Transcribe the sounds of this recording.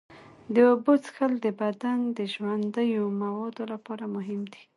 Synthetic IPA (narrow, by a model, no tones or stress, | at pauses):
d̪əobot͡sxəld̪əbad̪and̪əʒwand̪əjomawɑd̪olapɑɾamʊɦɪmd̪i̥